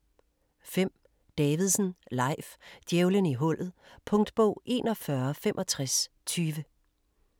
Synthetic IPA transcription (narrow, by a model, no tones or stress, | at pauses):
fem̰ | d̥ɛːʋið̞̩ˠsn̩lɑ̈ɪ̰fd̥jeʊləniɦɔ̽l̰ð̞̩ˠpʰɔ̽ŋd̥b̥ɔ̰ʊ̰ʔe̝̰ːnɒfɶɐfemʔɒ̽t͡sʰʁas | t͡sʰyːʋə